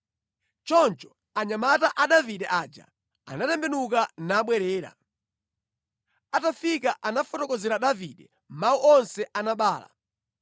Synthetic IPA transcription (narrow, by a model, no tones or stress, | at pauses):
t͡ʃɔnt͡ʃɔ̥ | aɲamataʔaɗaviɗɛʔad͡ʒa̰ | a̰natɛmbɛnukanaːɓwɛɾɛːɾa̰ | atafikaʔanafɔtɔkɔzɛɾaɗaviɗɛ | m̩mauʔɔnsɛʔanaɓaːla̰